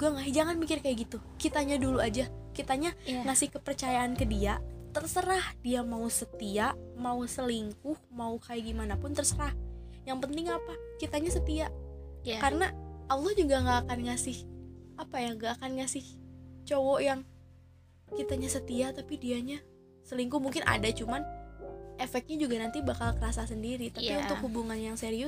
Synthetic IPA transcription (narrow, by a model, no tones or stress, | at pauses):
d͡ʒuɡaŋaɦd͡ʒaŋanmikɪrkajaʔɡit̪ukit̪aɲaduluad͡ʒakit̪aɲaŋasɪhkəpərt͡ʃajaʔankədiat̪ərsəɾahdiamausət̪iaʔmausəliŋkʊhmaukajaɡimanapʊnt̪ərsəɾah | jaŋpənt̪ɪŋapakit̪aɲasət̪iaʔkarənaʔalˠɔhd͡ʒuɡaŋɡaʔːkanŋasɪhapajaŋɡaːkanŋasɪht͡ʃowɔjaŋ | kit̪aɲasət̪iaʔt̪apidiaɲa | səliŋkʊhmuŋkɪnʔa̰dat͡ʃuman | ʔefɛk̚t̪̚ɲad͡ʒuɡanant̪ibakalkəɾasasəndiɾit̪apiunt̪ʊkhubuŋanjaŋseɾiʊ